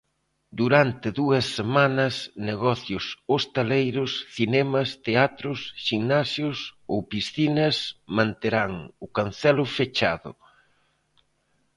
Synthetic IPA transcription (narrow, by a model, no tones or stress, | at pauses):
d̪uɾant̪ɪðuɐsːemãnɐsneɣɔθjʊsost̪alejɾʊsθinɛmɐst̪eat̪ɾʊsʃiŋnasjʊsowpisθinɐsmãnt̪eɾaŋʊkan̟θɛlʊfet͡ʃa̰ðʊ̰